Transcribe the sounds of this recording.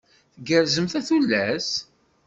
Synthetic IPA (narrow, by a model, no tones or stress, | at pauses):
θɡəɾzəmθæθulːæs